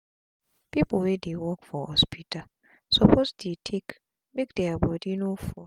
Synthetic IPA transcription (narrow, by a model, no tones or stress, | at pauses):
piplwɛdewɔkfɔhɔspʰitʰa | sɔpʰostetʰek | mek̚d̥eabɔdinofɔ